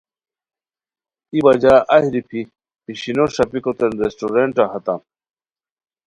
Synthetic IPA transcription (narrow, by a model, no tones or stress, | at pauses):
ibad͡ʑaʔɐɦiɾipʰi | pʰiɕinoɾsɐpikot̪enɾesʈoɾeɳʈaɦɐt̪am